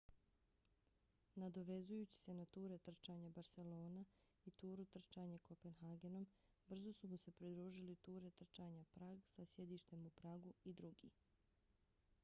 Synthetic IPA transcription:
nad̪o̞ʋe̞zujuːt͡ɕi̥se̞nat̪uːɾe̞t̪r̩t͡ʃaːɲabaɾse̞lo̞ːna | it̪uːɾut̪r̩t͡ʃaːɲako̞pe̞nxaɡe̞no̞m | br̩zosumuse̞pɾid̪ɾuːʒilit̪uːɾe̞t̪r̩t͡ʃaːɲapɾaːɡsasje̞d̪iːʃt̪e̞mupɾaːɡuid̪ɾuɡḭː

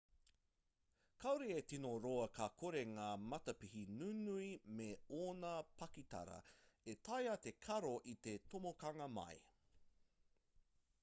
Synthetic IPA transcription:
kʰɐwɾeetinoɾoɐkʰakʰoɾe̞ŋaːmɐtɐpihinunuimeoːnɐpʰɐkitɐ̰ɾɐ̰etʰɐjɐt̪e̞kʰɐɾoʔit̪etʰomokɐŋɐmɐ̰j

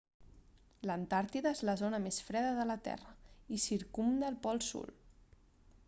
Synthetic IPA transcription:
lənt̪aɾt̪iðəezləzonəmesfɾɛðəðələt̪ɛ̰rəisiɾkumd̪əːlˠpɔlˠsṵl

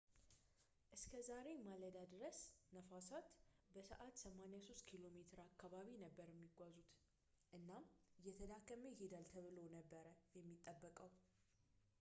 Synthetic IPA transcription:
ʔɨskʰəzaɾe̞maləd̪ad̪ɨɾəsnəfasat̪bəsə̰ʔat̪səmanejasost̪kʰilo̞me̞t̪ʰɨɾakːaβaβinəbːəɾjɛmːiɡʷazut̪ | ʔɨnːamjɛt̪ʰəd̪akːəməjhed̪alt̪ʰəβɨlo̞nəbːəɾəjɛmːit̪ʼːəbːəkʼəw

